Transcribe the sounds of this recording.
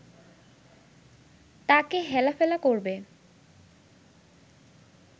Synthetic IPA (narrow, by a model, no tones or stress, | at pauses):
t̪akeɦɛlafɛlakoɾbe